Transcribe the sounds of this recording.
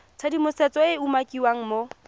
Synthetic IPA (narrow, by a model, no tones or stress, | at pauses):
t͡sʰadimʊsɛt͡sɔɪumakʼiwaŋ̩mo